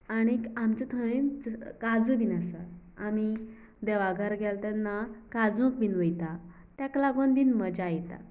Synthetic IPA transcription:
aɽ̃iamt͡ɕət̪ʰə̃nd͡zkad͡zũbʱinasa | ami | d̪ɛʋaɡʱəɾɡʱalt̪anːakad͡zũk̚biːnʋəjt̪a | t̪jaklaɡonbiːnməd͡ʑajt̪a̰

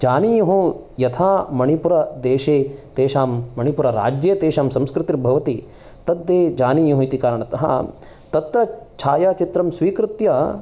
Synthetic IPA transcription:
d͡ʒaːnijɐɦũ | jɐt̪ʰaːmɐɳipuɾɐd̪eːʃeːt̪eːʃaːmːɐɳ̃ipuɾɐɾa̰ːd͡ʒjet̪eːʃaːmsɐ̃mskɾɪt̪iɾbʱɐʋɐt̪i | t̪ɐd̪ːeːd͡ʒaːnijɐɦũit̪ikaːɾɐɳɐt̪ɐɦɐ̰ | t̪ɐt̪ɾɐt͡ʃʰaːjaːt͡ʃit̪ɾɐmsʋiːkɾɪt̪jɐ

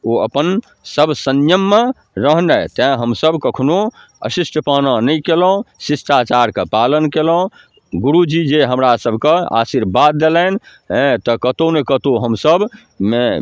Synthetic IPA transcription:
oə̰pən | səbʱsənjəmːe | ɾəɦnət̪ãɦəmsəbʱkəkʰno | ə̰sisʈʰəpananəjkelõsisʈ̪at͡ʃaɾkepalənkelə̃ | ɡuɾud͡ʒid͡ʒeɦəmɾasəbʱkea̰siɾbad̪ːelən | ɦɛ̃t̪əkət̪onekət̪oɦəmsəbʱ | me

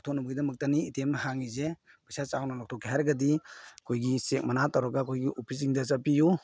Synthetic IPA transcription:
tʰɔk̚nubuɡidɐmɐk̚tɐniːtemɦaŋize | pasat͡ʃawnanɔk̚tʰɔkːeɦaɾɐɡɐdikʰojɡisek̚manatawɾaɡakʰojɡiʔopʰis̬iŋdɐt͡ʃapiju

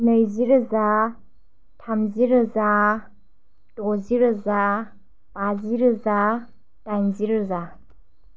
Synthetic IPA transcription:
nɯjziɾɯza | tʰamziɾɯza | tɔziɾɯza | paziɾɯza | dajnziɾɯza

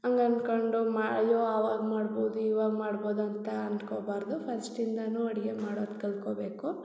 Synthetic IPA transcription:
ɐŋɡɐnkoɳɖumaːjoːaːʋaːɡmaːɽboːd̪uiːʋaːɡmaːɽboːd̪uɐnt̪ɐɐnkoːbaːɾd̪upʰɐnsʈind̪ɐnuːɐɽiɡemaːɽoːd̪kɐlkoːbeːku

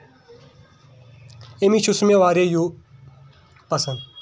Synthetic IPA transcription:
emit͡ʃʰusmeʋaːɾeju | pɐsɐnd̪

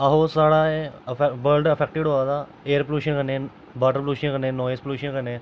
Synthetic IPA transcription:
ɐɦosaɽaebəlɖɐfek̚ʈiɽɦoat̪a | eəɾpluːʃənkənẽ | baʈəɾpluːʃənkənẽnɔːjespluːʃənkənẽ

